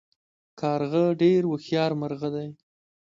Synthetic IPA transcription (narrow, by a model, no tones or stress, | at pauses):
kʰɑɾɣəɖeɾwəxjɑɾmaɾɣəd̪aj